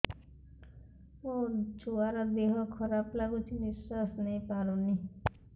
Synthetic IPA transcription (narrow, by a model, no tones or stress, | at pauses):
ũt͡ʃʰuaɾɔd̪eɦɔkʰɔɾaplaɡut͡ʃʰinisːasnɛj̃paɾ̃ũni